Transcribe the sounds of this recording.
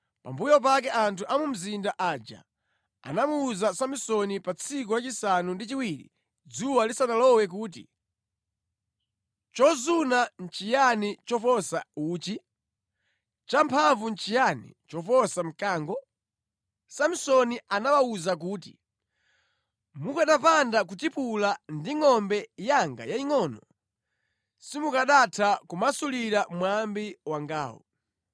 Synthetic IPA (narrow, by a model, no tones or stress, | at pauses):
pa̰mbujɔp̬ak̬ɛʔantʰuʔamum̩zindaʔad͡ʒa̰ | a̰namuːzasamisɔnipat͡sʰik̬ɔɾat͡ʃisanundit͡ʃiwiɾḭ | d͡zuwalisanalɔwɛk̬uːt̬ḭ | t͡ʃɔzunan̩t͡ʃijanit͡ʃɔfɔsauːt͡ʃi | t͡ʃampʰaɱvunt͡ʃijanḭt͡ʃɔfɔsam̩kaːŋɡɔ | sam̩sɔniʔanawauzak̬uːtḭ | mukaɗapandak̬utipulandiŋɔmbɛjaŋɡa̰jaiŋɔnɔ | simukaɗatʰakumasuliɾamwambiwaŋɡa̰ːwɔ̰